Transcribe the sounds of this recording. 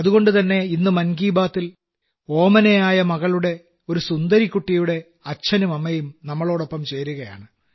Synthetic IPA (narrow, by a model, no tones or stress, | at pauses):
ɐðuɣo̞ɳɖut̪ɐnːe̞inːɨmɐnɡiːbaːt̪ːil | o̞ːmɐnɐjaːjɐmɐɣɐɭuɽe̞ | o̞ɾusund̪ɐɾikːuʈːijuɽe̞ | ɐt͡ɕʰːɐnumɐmːɐjumnɐmːɐɭo̞ːɽo̞pːɐmt͡ɕe̞jːɾuɣɐja̰ːɳɨ